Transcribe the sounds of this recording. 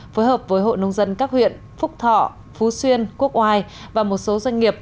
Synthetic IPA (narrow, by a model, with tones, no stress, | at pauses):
foː˨˦jɦəː˨˩p̚vəː˨˦jɦo̰˧˨jnə˧wŋ͡mzə˧nkaː˦˥k̚hwḭ˧˨ən | fʊ˦˥k͡p̚t̪ʰɔ̰˧˨ | fu˨˦swi˧ənku˦˥ək̚ʔwaː˧j | vaː˨˩mo˨˩t̚so˨˦zwa˧jŋ̟ŋi˨˩əp̚